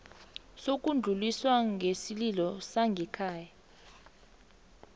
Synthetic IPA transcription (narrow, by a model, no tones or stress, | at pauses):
sok̬ʼund͡ɮʱuliswaŋʱesililɔsaŋɡʱɛkʰaːja